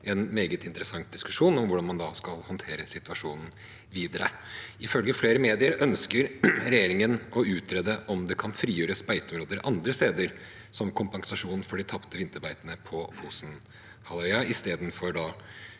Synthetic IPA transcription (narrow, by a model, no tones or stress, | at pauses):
ɛnmeːɡət̪ɪnt̪əɾəsɑŋt̪̚d̪ɪskʉ̥ʂuːnɔmʋʊɖɑnmɑnd̪ɑskɑlhɔnt̪ʰeːɾəsɪt̪ʉʋɑʂuːnn̩ | ʋiːd̪əɾə̰ | ɪfœlɡəfleːɾəmeːd̪ɪəɾœnskəɾɾɛjeːɾɪŋənʔɔʉːt̪ɾɛd̪əʔɔmd̪ɛkʰɑnfɾiːjøːɾəspæɪt̪ɔmɾoːd̪əɾʔɑnd̪ɾəst̪eːd̪əɾ | sɔmkʰʊmpɑŋsɑʂuːnn̩fɔɖɪt̪ʰɑpt̪əʋɪnt̪əɾbæɪt̪nəpʰɔfuːsn | hɑlœʏɑɪst̪eːd̪nfɔɾɖɑ